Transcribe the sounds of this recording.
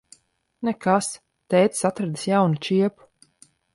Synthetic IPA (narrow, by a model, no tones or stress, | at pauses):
nɛkas | t̪ɛjt̪sat̪ɾad̪isjawnut͡ʃiɛpu̥